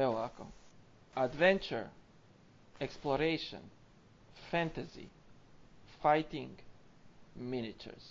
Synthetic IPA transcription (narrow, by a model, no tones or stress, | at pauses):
ɛlako̰ | ad̪ʋɛ̃nt͡ʃəɾ | ɛksploɾejʃɔ̰̃n | fæ̃nt̪azḭ | fajt̪ĩŋɡ | minɪt͡ʃɛ̰ɾs